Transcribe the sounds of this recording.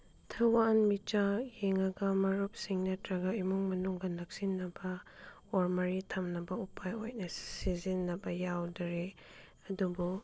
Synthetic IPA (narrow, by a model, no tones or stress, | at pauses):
tʰɐwanmit͡ʃajeŋaɡɐmɐɾup̚siŋnɐtɾɐɡɐimuŋmɐnuŋɡɐnɐk̚sinːɐbɐ | ɔɾmɐɾitʰɐmnɐbɐupʰajojnɐsizinːɐbɐjawdɐɾe | ɐdubu